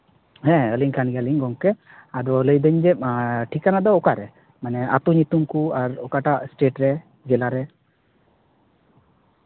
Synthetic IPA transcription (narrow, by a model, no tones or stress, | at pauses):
ɦɛ̃əliŋkanɡəliŋɡɔŋkɛ | ad̪ɔələjd̪əɲd͡ʒɛʈʰikːanad̪ɔːkaɾɛ | manɛa̰t̪uɲut̪umkuaɾɔkaʈasʈeʈɾɛ | d͡ʒɛlaɾɛ